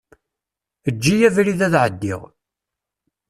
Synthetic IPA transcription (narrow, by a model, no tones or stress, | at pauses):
əd͡ʒːijævɾiðæðʕəd̪ːɪ̰ʁ